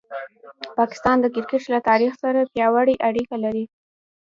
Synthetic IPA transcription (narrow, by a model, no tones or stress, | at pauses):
pɑkɪ̥st̪ɑnd̪əkɪɾkɪʈlat̪ɑɾixsaɾapjɑwaɽiʔaɽikalaɾi